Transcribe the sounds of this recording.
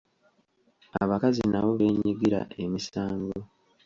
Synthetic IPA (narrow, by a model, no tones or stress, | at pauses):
aβakazinaβo̞βe̞ːɲiɡiɾa̰e̞misaːŋɡo